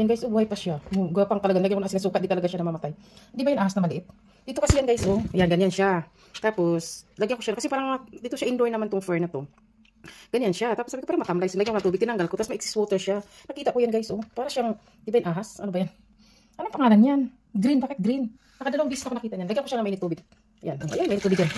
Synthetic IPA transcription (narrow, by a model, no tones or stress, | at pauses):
janɡajsʔobuːhajpaʃauɡapaŋt̪ɐlɐɡanlaɡjaŋkonsɪnɐsuːkɐt̪d̪ɪt̪ɐlɐɡaʃanɐmɐmɐt̪ajhnd̪iːbajʊnʔaːhasnɐmɐlɪʔɪp̪̚ | d̪iːt̪okɐsijanɡajsʔojanɡɐɲanʃa | t̪aːpo̞slɐɡjaŋkoʃankɐsɛpaːɾaŋmɐd̪iːt̪oʃaʔɪnd̪ojnɐmant̪ʊŋfɛɹnɐt̪o̞ | ɡ̥ɐɲanʃat̪aːposabkopaːɾamɐt̪ɐmlajsnlaɡjaŋonɐt̪uːbɪɡ̚t̪ɪnɐŋɡalkot̪asmɐʔɪksɪ̥swot̪ɛɹʃanɐkiːt̪akojanɡajsʔopaːɾaʃaŋ | ɪnd̪iːbajʊnʔaːɦasʔɐnobajan | ʔɐnoŋpɐŋaːlanjan | ɡɾinbaːkɪt̪̚ɡɾin | nɐkɐd̪ɐlɐwɐŋbiːsɪsnɐkonɐkiːaɲanlɐɡjaŋkoʃanɐŋmɐʔɪnɪt̪uːbɪɡ̚ | ja̰noŋʔɐ̰jaŋmʔɪnɪt̪uːbɪɡjan